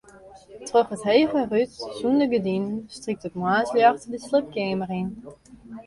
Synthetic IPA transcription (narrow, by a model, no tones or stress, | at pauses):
trøχətɦeːvərytsundəɡədinnstrik̚tətmwaːsljɑχtdəsləp̚kɪːmərin